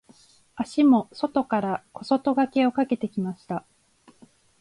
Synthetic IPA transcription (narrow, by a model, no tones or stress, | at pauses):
aɕimo̞so̞t̪o̞kaɾako̞so̞t̪o̞ɡake̞o̞kake̞t̪e̞kʲimaɕi̥t̪a